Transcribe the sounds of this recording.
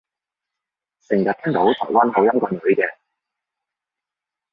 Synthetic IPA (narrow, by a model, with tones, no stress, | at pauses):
sɪ˨˩ŋjɐ˨t̪̚ʰɛ˥ŋt̪o˨˥wt̪ʰɔ̰ː˨˩jwaː˥nɦɐ˨˧wjɐ˥mkʷa˧nlɵ˨˥ɥkɛː˧